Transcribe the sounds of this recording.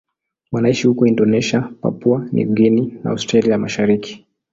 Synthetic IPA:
wanaiʃihukɔindɔnɛʃiapa̰puanʔḭɡɛnina̰a̰stɾaliamaʃaɾiki̥

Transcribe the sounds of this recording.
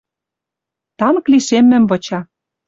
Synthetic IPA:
t̪ɑnɤ̆kliʃemːɘ̆mβɤ̆t͡ɕɑ

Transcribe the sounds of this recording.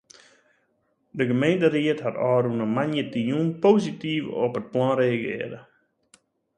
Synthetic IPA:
dəɣəmejntəriətɦatɔːɾunəmanjətijunpoːsitifɔ̰pət̚plɔnreːaɡɪ̰əɾə̰

